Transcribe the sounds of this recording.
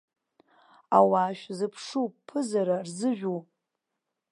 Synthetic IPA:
awaːʃᶣzɨpʰʂupʰɨzaɾarzɨʒᶣu

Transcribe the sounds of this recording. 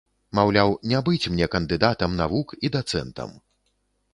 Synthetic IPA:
mawlʲawnʲabɨt͡sʲmnʲɛkɐnd̪ɨd̪at̪ɐmnavukid̪at̪sɛ̰nt̪ɐ̰m

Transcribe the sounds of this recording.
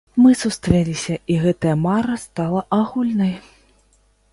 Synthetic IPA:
mɨsust̪ɾɛlʲisʲɐʔiɣɛt̪ɐjɐmaɾɐst̪alˠɐʔaɣulʲnɐj

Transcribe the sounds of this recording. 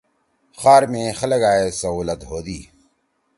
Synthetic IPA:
xaːɾmẽːxɐlɐɡaːesɐɦuːlɐt̪ɦoːd̪iː

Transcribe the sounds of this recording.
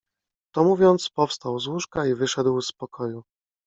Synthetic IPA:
t̪ɔmuvʲjɔnt̪spɔfst̪awzwuʂkaivɘʂɛd̪wspɔkʰɔju

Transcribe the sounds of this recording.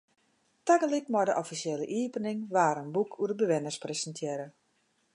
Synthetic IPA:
taɡəlitmɔdəʔɔfisjeːləʔiːpənɪŋʋaːɾənbukʰuədəbəʋɪnərspresəntʰjɛːɾə

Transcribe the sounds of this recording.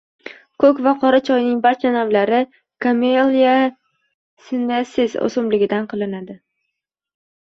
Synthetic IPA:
kʰɵkʲvaqʰɒɾat͡ʃʰɒjnɪŋbaɾt͡ʃʰanamlaɾɪ | kʰamelja | sɪnasɪzo̰sʊmlɪɡʲɪd̪anqʰɨlˠɪnad̪ɪ

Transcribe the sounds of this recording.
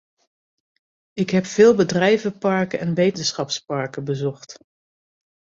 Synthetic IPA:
ɪkɦɛpfɪːlˠbədrɛjvəpɑɹkənɛnʋejtənsχɑpspɑɹkəbəzɔχt

